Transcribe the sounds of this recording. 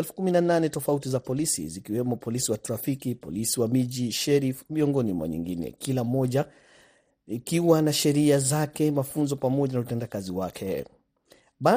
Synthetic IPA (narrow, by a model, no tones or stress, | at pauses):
ɛlfu̥kuminananɛtɔfautizapɔlisḭzikiwɛmɔpɔlisiwatɾafikipɔ̰lisiwamiʄiʃɛɾifmiɔŋɡɔnimwa̰ɲḭŋɡinɛ̰kilam̩mɔʄa | ikiwanaʃɛɾiazakɛmafunzɔpamɔʄanautɛndakaziwakʰɛ̰ | ɓa